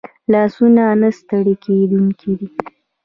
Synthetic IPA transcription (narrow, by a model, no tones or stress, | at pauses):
lɑsunanəst̪əɽeked̪uŋkʰid̪i